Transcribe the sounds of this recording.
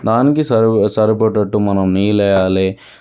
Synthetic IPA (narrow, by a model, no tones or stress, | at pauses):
d̪aːnikisɐsɐɾip̬ɐʈːɐʈːumɐnɐmniːlɛjaːleː